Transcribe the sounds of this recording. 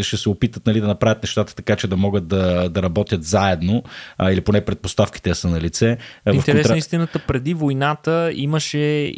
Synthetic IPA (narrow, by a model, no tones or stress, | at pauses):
ʃt̪ɛsɛopit̪ət̪nɐlid̪ɐnɐpɾavʲət̪nɛʃt̪at̪ə̥t̪ɐkat͡ʃɛd̪ɐmɔɡət̪̚d̪ɐd̪ɐɾɐbɔt̪jət̪zaɛd̪noiliponɛpɾɛt̪̚post̪afki̥t̪ɛsənɐlit̪sɛviɐft̪ɛɾɛsnist̪inət̪əpɾɛd̪ivojnat̪əiməʃɛ